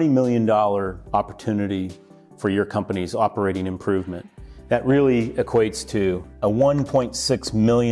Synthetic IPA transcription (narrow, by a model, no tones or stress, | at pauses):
ɾ̃imɪlˠjɨ̃ndɔlˠə˞ɑpə˞tʰʉnɨɾi | fə˞jə˞kʰʌ̃mpənizɑpə˞eɪɾɪ̃ŋɨ̃mpʰɹ̥ʉvmɨ̰̃nðɨʔ̚ɹɪlˠiɨkʰw̥eɪtstʰɨəwʌ̃npʰɔ̃ɪ̃ntsɪksmɪlˠjɨ̃